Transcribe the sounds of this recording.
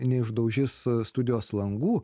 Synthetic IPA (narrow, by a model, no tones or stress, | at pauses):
nʲɛɪʒd̪ɐʊʒʲɪsst̪ʊd̪ʲɪjoːslˠɐŋɡuː